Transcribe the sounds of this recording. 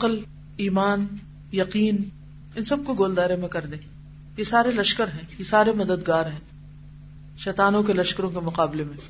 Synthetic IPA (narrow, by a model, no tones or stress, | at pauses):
ɐqəl | iːmaːn | jɐqiːn | ɪnsɐb̚koɡoːld̪aːɾẽmẽkɐɾd̪ẽː | jesaːɾelɐʃkəɾɦɛ̃jesaːɾemɐd̪əd̪ɡaːɾɦɛ̃ː | ʃɛːt̪aːnõkelɐʃkəɾõkemʊqaːblemẽ